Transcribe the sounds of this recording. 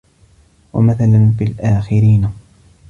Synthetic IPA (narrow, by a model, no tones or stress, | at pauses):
wa̰maθalanfilʔaːxɪɾiːna